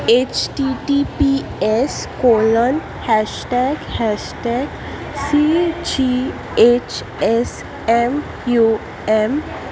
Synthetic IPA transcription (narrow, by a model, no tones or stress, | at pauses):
et͡ɕʈiʈipieskolən | hɛʃʈɛɡhɛʃʈɛɡ | sid͡ʒi | et͡ɕ | es | em | ju | em